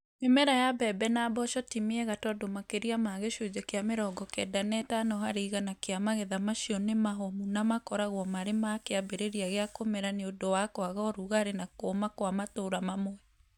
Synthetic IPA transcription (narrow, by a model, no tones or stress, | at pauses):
emɛɾajabɛbɛnaːbɔʃɔtimeɛɣatɔdomakeɾiamaɣeʃod͡ʒɛkeameɾɔːɡɔkɛdanɛtanɔɦaɾiːɣanakeamaɣeðamaʃiɔnemaɦɔmunamakɔɾaɣwɔmaɾemakeabeɾeɾiaɣeakomɛɾaneodowakwaɣɔɾuɣaɾenakoːmakwamatoɾamamoɛ